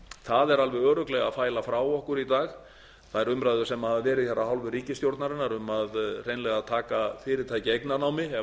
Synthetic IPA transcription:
θaðɛɾalvɛɣœːɾʏklɛɣaðfaːjlafɾaːwɔhkʏɾit̪aːx | θaðɛɾʏmɾajðʏɾ̥sɛmaðvɛːɾɪðçɛrahawlvʏriːcɪst̪jowɾt̪naɾɪnːaɾʏmaðr̥ejnlɛɣat̪ʰaːkafɪːɾɪɾ̥t̪ʰaːjcɪejknanawmɪɛ

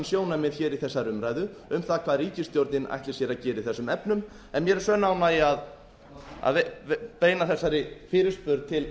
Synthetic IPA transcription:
nsjoːwnamjɛð̥çɛːɾiθɛsːaɾʏmɾaːjðʏʏmθaðkʰvaːðɾiːcɪst̪jowɾt̪nɪnʔa̰jht̪ɪ̥sjɛɾacɛːɾɪiθɛsːʏmɛpnʏm | ɛnmjɛɾɛɾsœːnaːwnaiað | a̰ðepeːjnaθɛsːaɾɪfɪːɾɪ̥spʏɾt̪̚t̪ʰɪl

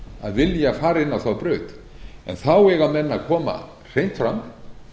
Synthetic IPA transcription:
a̰ðvɪljafaːɾɪnːawθawpɾœːɥt̪ | ɛ̰nθawɛɣamɛnːakʰɔːma̰ | r̥ejn̥t̪fɾam

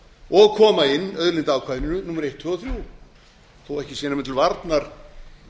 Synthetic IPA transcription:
ɔɣkʰɔːmaɪnːœðɾlɪnt̪aːwkʰvaðɪnɪnʏnumːaɾejht̪ʰːʏɔθɾjuː | θowɛhcɪsjɛːnamɛnt̪ʰɪlvaɾt̪naɾ̥

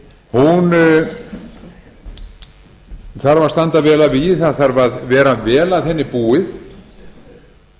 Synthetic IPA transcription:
hun | θaɾvḁst̪ant̪avɛːlavɪθaθaɾvaðvɛːɾavɛːlaðθhɛnːɪpuːɪθ

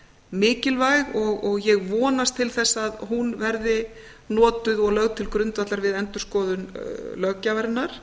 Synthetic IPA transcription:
mɪːcɪlvajɣɔɣɔɣjɛɣvɔːnast̪ʰːɪlθɛsːaðɦunvɛɾðɪ | nɔːt̪ʏðɔɣlœɣt̪ʰɪlkɾʏnt̪vat̪laɾvɪðɛnt̪ʏɾ̥skɔːðʏnlœɣcavɛɾnːaɾ̥

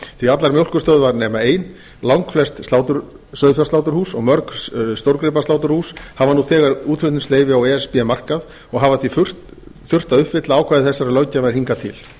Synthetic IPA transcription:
θviat̪laɾmjowl̥kʏst̪œðvaɾnɛːmaeːjn | lawŋkflɛst̪st̪awt̪ʏɾ | sœːɥðfjast̪awt̪̬ʏɾhuːsɔɣmœɾkst̪owɾkɾɪp̬ast̪awt̪ʏɾ̥huːshavanuθɛːɣaɾuːt̪fɾʏnt̪ɪnsleːjvɪawɛɛspiɛmar̥kað | ɔɣɦavaθvifʏr̥ | θʏr̥t̪aʏhpvɪt̪laaːwkʰvaːðɪθɛsːaɾalœɥcavaɾ̥hiŋkat̪ʰɪ̰l

